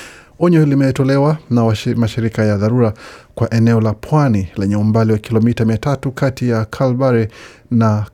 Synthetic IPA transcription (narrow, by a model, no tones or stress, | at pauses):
ɔɲɔlimɛtɔlɛwanamaʃiɾikajaðaɾuɾakwaʔɛnɛɔlapʰwanilɛɲɛumbaliwakilɔmitamiatatukʰatijakʰalbaɾɛ | na